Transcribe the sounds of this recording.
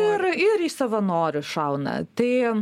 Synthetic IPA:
ɪrɪɾiːsɐʋɐnoːɾʲʊʃɐʊnɐ̰t̪ɐɪ

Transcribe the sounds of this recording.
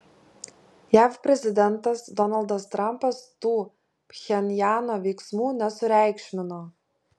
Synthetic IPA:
jæːfpʲɾʲɛzʲɪd̪ʲɛnt̪ɐsd̪ɔnɐlˠd̪ɐst̪ɾɐmpɐst̪uː | pʲxʲɛnʲjɑːnoːʋʲɛɪksmuːnʲɛsʊɾʲæˑɪkʃʲmʲɪnoː

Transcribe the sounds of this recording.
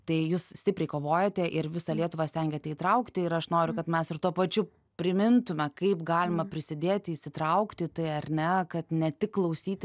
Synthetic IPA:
t̪ɐɪjuːssʲt̪ʲɪpʲɾʲɛɪkoːʋoːjɛt̪ʲɛʔɪɾʋʲɪsɐlʲiɛt̪ʊʋɑːsʲt̪ʲɛŋʲɡʲɛt̪ʲɛiːt̪ɾɐʊkt̪ʲɪɪɾɐʃnoːɾʲʊkɐt̪mʲɛsɪrt̪uɔpɐt͡ʃʲʊ | pʲɾʲɪmʲɪnt̪ʊmʲɛkɐɪpɡɑːlʲɪmɐpʲɾʲɪsʲɪd̪ʲeːt̪ʲiːsʲɪt̪ɾɐʊkt̪ʲɪt̪ɐɪɐɾʲnʲɛkɐt̪nʲɛt̪ʲɪkklˠɐʊsʲiːt̪ʲɪ

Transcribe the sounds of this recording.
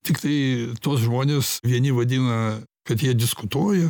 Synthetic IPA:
t̪ʲɪkt̪ɐɪt̪oːsʒmoːnʲeːsʋʲiɛnʲɪʋɐd̪ʲɪnɐkɐt̪jiɛd̪ʲɪskʊt̪uɔjɛ

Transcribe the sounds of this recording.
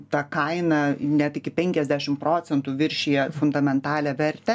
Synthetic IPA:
t̪ɐkɐɪnɐnʲɛt̪ɪkʲɪpʲɛŋʲkʲɛzʲd̪ʲæʃʲɪmpɾoːt͡s̪ʲɛnt̪uːʋʲɪɾʲʃʲeːjɛfʊnd̪ɐmʲɛnt̪ɑːlʲɛʋʲɛɾʲt̪ʲɛ

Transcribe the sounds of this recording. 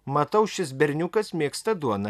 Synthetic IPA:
mɐt̪ɐʊʃʲɪs̬bʲɛɾʲnʲʊkɐsmʲiɛkst̪ɐd̪uɔnɐ

